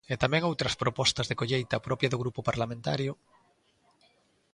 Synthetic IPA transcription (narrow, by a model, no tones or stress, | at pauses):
et̪amɛ̃ŋowt̪ɾɐspɾopɔst̪ɐzðekoʎejt̪ɐpɾɔpjaðʊɣɾupopaɾlamẽnt̪aɾjʊ